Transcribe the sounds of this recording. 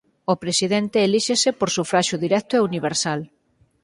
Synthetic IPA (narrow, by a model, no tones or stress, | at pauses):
opɾesiðent̪eːliʃesepoɾsufɾaʃʊðiɾɛt̪ʊeuniβ̞eɾsal